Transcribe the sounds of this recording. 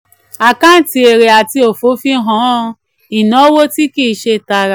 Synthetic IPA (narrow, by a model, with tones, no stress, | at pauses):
a˨kã˦n̩˨˦ti˧e˨ɾe˨a˨ti˧o˨fo˨˦fi˦ɦɔ̃˨˦˧ | i˨nɔ̃˨˦wo˦ti˦ki˦˧ʃe˧ta˧ɾa˧˨